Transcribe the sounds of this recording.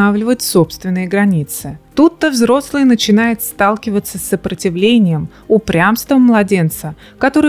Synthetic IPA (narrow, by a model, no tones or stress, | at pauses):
avlʲɪvətʲsopst̪vʲɪnːɨjəɡɾɐnʲit̪sɨt̪ut̪ːəvzɾo̞slˠɨjnət͡ɕɪnajɪt̪st̪alˠkʲɪvət̪səsːəpɾətʲɪvlʲenʲɪjəm | ʊpɾʲamst̪vəmːlˠɐdʲe̞nt̪sə | kɐt̪o̞ɾɨ